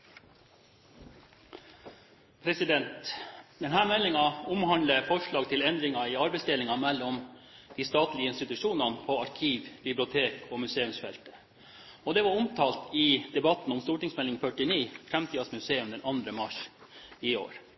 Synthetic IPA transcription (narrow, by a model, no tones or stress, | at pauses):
pʰɾɛsɪd̪ɛnt̪d̪ɛnhæːɾmɛlːɪŋɑʊmhɑnləfɔʂɭɑːɡt̪ʰɪlɛnd̪ɾɪŋɑɪɑɾbɛɪsd̪ɛlɪŋɑmɛlːɔmd̪̥iːst̪ɑːt̪lɪəɪnst̪ɪt̪ʉʂuːnɑnpʰɔɑɾkʰiːʋbɪblɪʊt̪ʰeːkɔːmʉseːʉmsfɛlt̪ə̥ | ɔd̪ɛʋɑɾʊmt̪ʰɑːlt̪ɪd̪ɛbɑt̪n̩ʊmst̪uːʈɪŋsmɛlɪŋfœʈɪniːfɾɛmt̪ʰiːɑsmʉseːʉmd̪ɛnʔɑnd̪ɾəmɑʂiːo̰ːɾ